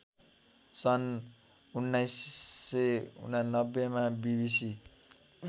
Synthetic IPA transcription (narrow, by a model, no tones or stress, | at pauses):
sʌn | unːajsːeṵnanʌbːemabibisi